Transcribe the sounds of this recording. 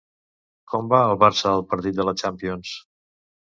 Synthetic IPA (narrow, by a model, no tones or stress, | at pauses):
kɔmbaəlˠβaɾsəːlˠpəɾt̪it̪̚d̪ələt͡ʃampions